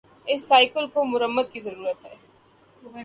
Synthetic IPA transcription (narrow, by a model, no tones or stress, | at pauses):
ɪsːaːɪkəlkomʊɾəmːəd̪̚kizɐɾuːɾət̪ɦɛː